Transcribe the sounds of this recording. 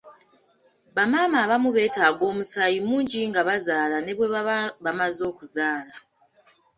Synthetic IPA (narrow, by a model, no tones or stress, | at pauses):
βamaːmaːβamuβe̞ːtaɡo̞ːmusajimuːɲɟiŋɡaβazaːlane̞βwe̞βamazo̞ːkuzaːla